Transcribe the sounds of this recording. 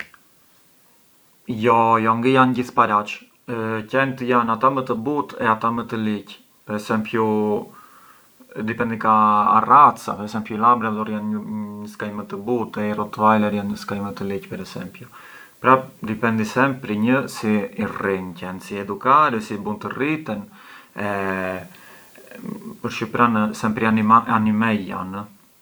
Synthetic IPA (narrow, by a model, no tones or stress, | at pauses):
jɔjɔŋɡəjanɟiθpaɾat͡ʃ | cɛnt̪əjanat̪amət̪əbut̪ɛat̪amət̪əlic | pɛɾɛsɛmpju | d̪ipɛnd̪ika̰ːrat̪t͡sa̰pɛɾɛsɛmpjulabɾad̪ɔɾjanɲəskajmət̪əbut̪ɛirɔt̪vajlɛɾjanɲəskajmət̪əlicpɛɾɛsɛ̰mpju | pɾad̪ipɛnd̪isɛmpɾiɲəsiːrincɛnsiɛd̪ukaɾɛsibunt̪ərit̪ɛnɛ | pəɾʃipɾansɛmpɾianaanimɛjja̰nə